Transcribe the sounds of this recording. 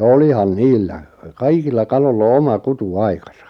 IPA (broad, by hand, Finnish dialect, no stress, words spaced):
olihɑn niːlːæ kɑikilːɑ kɑlolː o omɑ kutuɑikɑsɑ